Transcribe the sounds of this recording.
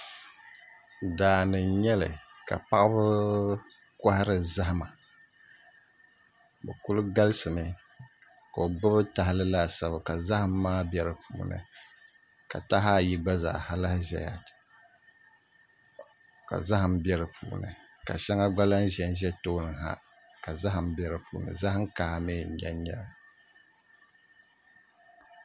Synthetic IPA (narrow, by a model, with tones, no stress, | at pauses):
daː˨nɨ˨ɲɛ˦lɨ̰˨ka̰˨pa˦ʔɨ˦bɨ˦ | ka˦ha˦ɾɨ˨za˦ɦma˨ | bɛ˨ku˦lʊ˦ɡa˦lɨ˦sɨ˨mɨ˨ | ka˨o˨ɡ͡bɨ˦bɨ˦ta˨hɪ˦lɨ˦la˦˨sa˨bɨ˨ka˨za˦hɨ˦m̩ː˦aː˦bjɛ˦ɾɨ˨puː˨nɨ̰˨ | ka̰˨ta˦ɦa˦˨ji˦ɡ͡ba˦za̰˨ha˦lɨ˦hʒɛ̰˨ja̰˨t | ka̰˨za˦ha˨m̩˦bjɛ˦ɾɨ˨pʰṵː˨nɨ̰˨ | ka̰˨ʃɛ˦ŋa˦ɡ͡ba˦la˦n˦ʒɛ˨n˦ʒɛ˦toː˦nɨ˨ŋɦa̰˦ | ka˨za˦ɦɨ˨m̩˦bjɛ˦ɾɨ˨puː˨nɨ̰˨za˦hŋ˦ka˨meː˦˨ɲɛ˦ɲɛ̰˦l